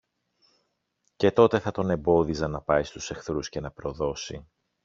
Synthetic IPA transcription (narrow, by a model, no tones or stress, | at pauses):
ce̞t̪o̞t̪e̞θɐt̪o̞ne̞mbo̞ðizɐnɐpɐist̪u̥se̞xθɾusce̞nɐpɾo̞ðo̞si